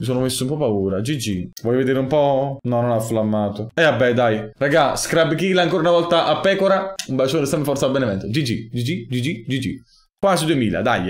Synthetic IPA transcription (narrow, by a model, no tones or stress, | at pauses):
misoːnomesːoumpɔpːauːɾad͡ʒid͡ʒivɔjːoved̪eːɾeumpɔnɔnonaflamːaːt̪oɛabːɛd̪ajraɡaskɾabkiːlaːŋkoːɾaunavɔlt̪aʔapːɛːkoɾaumbalt͡ʃondesɛmbefɔrt̪sabːenɛmɛnt̪od͡ʒid͡ʒḭd͡ʒid͡ʒid͡ʒid͡ʒid͡ʒid͡ʒḭ | kwaːzid̪uemiːla̰d̪a̰jː